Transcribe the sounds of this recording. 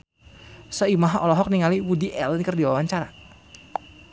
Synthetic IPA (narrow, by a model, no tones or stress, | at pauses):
sɔimaɦaɔlɔɦɔk̚niŋaliwudiʔɛlnkərdiwawaɲt͡ʃaɾa